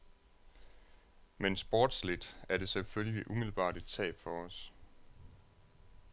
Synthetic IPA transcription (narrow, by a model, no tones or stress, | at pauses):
mensb̥oːd̥slid̥æɐɾe̝selføljiʔumil̩b̥ɑ̰̈ːɾ̥e̝̥t͡sʰɛ̰ːb̥fɒ̽ɒs